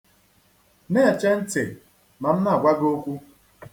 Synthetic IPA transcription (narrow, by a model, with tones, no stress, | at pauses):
ne˦a˨t͡ʃe˦n̩˦tɪ˨ | ma˨m̩˦na˦˨ɡʷa˦ɡo˦kʷu˦